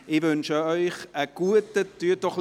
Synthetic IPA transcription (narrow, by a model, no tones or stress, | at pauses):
ɪvʏnʃəœʏχəɡ̥uətətyːd̥ɔχ